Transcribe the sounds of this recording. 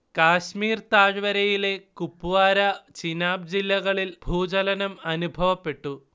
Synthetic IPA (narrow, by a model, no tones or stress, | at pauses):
kaːɕmiːrt̪aːɻʋɐɾɐjile̞kupːuʋaːɾɐt͡ɕinaːb̚d͡ʑilːɐɣɐɭilbʱuːd͡ʑɐlɐnɐmɐnubʱɐʋɐpːe̞ʈːu